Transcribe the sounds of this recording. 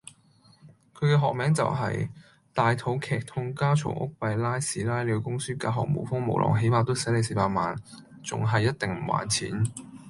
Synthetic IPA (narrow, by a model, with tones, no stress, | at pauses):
kʰɵ˨˧kɛː˧ɦɔː˨k̚mɛː˨˥ŋt͡sɐ̰˨wɦɐ̰˨j | t̪aː˨jt̪ʰo˨˥wkʰɛː˨˩k̚t̪ʰʊ˥ŋkaː˥t͡ʃʰʊ̰˨˩ŋʔʊ̰˥k̚pɐ˨˧jlaː˥jsiː˨˥laː˥jle˨˧ko˧kʊ˥ŋsyː˥kaː˧ɦɔː˨k̚mo̰˨˩wfʊ˥ŋmo̰˨˩wlʔɔ̰ː˨˩ŋɦe˨˥jmaː˨t̪o˥wsɐ˨˥le˨˧jseː˨˩paː˨˩t̚maː˨n | t͡sʊ̰˨ŋɦɐ˨jːɐ˥t̚t̪ɪ˨ŋm̩˨˩wa̰ː˨˥nt͡sʰḭː˨˥n